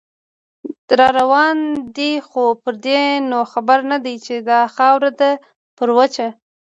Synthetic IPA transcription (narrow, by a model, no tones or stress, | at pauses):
ɾɑɾawɑnd̪ixopəɾd̪enoxabaɾnad̪ajt͡ʃed̪ɑxɑwɾad̪a | pəɾwət͡ʃa